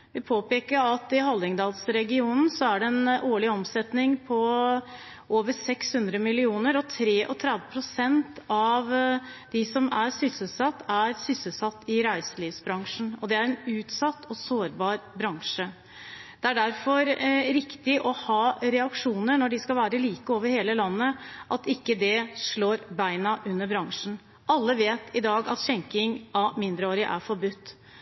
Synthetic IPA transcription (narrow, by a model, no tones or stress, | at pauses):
ʋɪpʰoːpeːkəɾɑt̪ɪɦɑlːɪŋd̪ɑːlsɾɛɡɪuːnn̩sɔæɖɛɛnʔoːɭɪɔmsɛt̪nɪŋpʰɔ | ʔoːʋəsɛkshʉnd̪ɾəmɪlɪuːnəɾɔt̪ʰɾeːʔɔt̪ʰɾɛd̪əpʰɾʊsɛnt̪ɑʋd̪̥ɪsɔmæɾsʏsəsɑt̪ːæɾsʏsəsɑt̪ːɪɾæɪsəliːʋsbɾɑŋʂn̩ɔd̪ɛæɾɛnʉːt̪sɑt̪ːɔsoːɾbɑːɾbɾɑŋʂə | d̪ɛæɖæɾfɔɾɾɪkt̪ɪʔɔhɑːɾɛɑkʂuːnənɔɖɪskɑlʋæːɾəliːkəoːʋəɾheːləlɑnːəʔɑt̪ɪkːəd̪ɛʂɭoːɾbæɪnɑʔʉnːəɾbɾɑŋʂn̩ | ʔɑlːəʋeːt̪ʰɪd̪ɑːɡɑ̰t̪ɕɛŋkɪŋʔɑmɪnd̪ɾəoːɾəʔæ̰ɾfɔɾbʉt̪ː